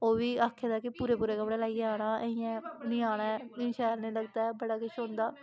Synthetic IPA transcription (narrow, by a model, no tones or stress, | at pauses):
oːʋiːaːkʰːeːd̪aːkɪpuːɾeːpuːɾeːkəpɽẽːlaːieaːɽ̃aːʔeɪjãːniːaːɽ̃aːɛɪʃɛːɾnẽːləɡd̪aːɛːbəɽaːkʊt͡ʃɦõːnd̪aː